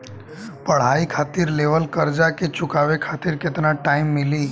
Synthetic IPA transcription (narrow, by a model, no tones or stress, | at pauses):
pəɽ̤aikʰat̪iɾleʋəlkəɾd͡ʒaket͡ʃʊkaʋekʰat̪iɾkɪt̪naʈaːɪmːɪli